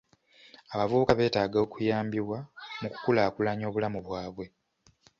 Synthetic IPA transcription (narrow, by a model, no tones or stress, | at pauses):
aβavuβukaβe̞ːtaːɡao̞kujaːmbiβwamuku̥kulaːkulaɲo̞ːβulamuβwaːβwe̞